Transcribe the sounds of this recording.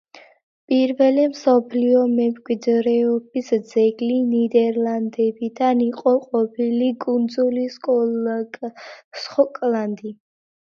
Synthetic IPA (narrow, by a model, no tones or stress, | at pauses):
pʼiɾvɛlɛmsɔpʰliɔmɛmkʼwid̪ɾɛɔbisd̪zɛɡlinid̪ɛɾland̪ɛbid̪aniqʼɔqʼɔpʰilikʼund̪zuliskʼɔ | sχɔkʼland̪i